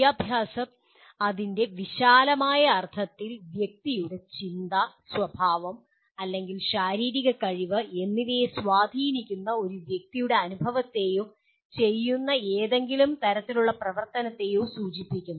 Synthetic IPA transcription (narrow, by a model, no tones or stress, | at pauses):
aːbʱjaːsɐm | ɐðinde̞ʋiɕaːlɐmaːjɐːrt̪ʰɐt̪ːilʋjek̚t̪ijuɽe̞t͡ɕind̪ɐswɐbʱaːʋɐm | ɐlːe̞ŋɡilɕaːɾiːɾiɣɐkɐɻiʋɨe̞nːiʋejswaːd̪ʱiːnikʲːunːɐo̞ɾuʋjek̚t̪ijuɽe̞ɐnubʱɐʋɐt̪ːe̞ju | t͡ɕe̞jːunːɐeːðe̞ŋɡilumt̪ɐɾɐt̪ːiluɭːɐprɐʋɐrt̪ɐnɐt̪ːe̞jusuːt͡ɕipːikʲːunːu